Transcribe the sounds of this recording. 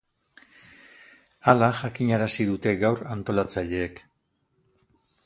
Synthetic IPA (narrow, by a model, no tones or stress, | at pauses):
alaʝakiɲaɾasið̞ut̪e̞ɣawɾant̪o̞lat͡saʎe̞ːk